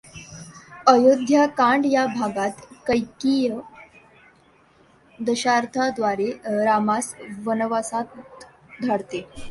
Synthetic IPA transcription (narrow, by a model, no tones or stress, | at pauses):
əjod̪ʱjakaɳɖjabʱaɡat̪kəjkijə | d̪əɕaɾt̪ʰad̪ʋaɾeɾamasʋənʋasat̪̚ | d̪ʱaɽt̪e